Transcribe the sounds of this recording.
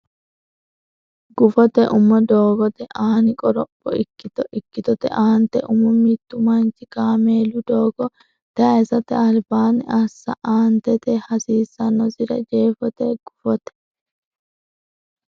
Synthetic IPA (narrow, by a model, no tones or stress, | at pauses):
ɡ̥ʊfɔt̪ɛʔʊmːɔd̪oːɡɔt̪ɛʔaːnɪkʼɔɾɔpːɔɪkːɪt̪ɔʔɪkːɪt̪ɔt̪ɛ̰ʔaːnt̪ɛʔʊmɔmit̪ːʊmɐnt͡ʃɪkaːmeːlʊd̪oːɡɔ | t̪ɐɐsɐt̪ɛɐlbaːnɪ̰ʔɐsːɐ̰ʔaːnt̪ɛt̪ɛhɐsiːsːɐnːɔsɪɾɐd͡ʒeːfɔt̪ɛɡ̥ʊfɔt̪ɛ̥